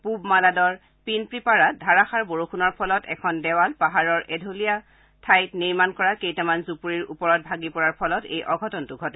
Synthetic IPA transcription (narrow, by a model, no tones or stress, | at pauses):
pubmaladɔɹ | pinpɹipaɹat̚dʱaɹaxaɹboɹuxʰunɔɹpʰɔlɔtɛ̰kʰɔndɛwalpaɦaɹɔɹʔɛdʱolija | tʰajtniɹmankɔɹakejtamanzupuɹiɹupɔɹɔt̚bʱaɡipɔɹaɹpʰɔlɔtḛjʔɔɡʱɔtɔntuɡʱɔtɛ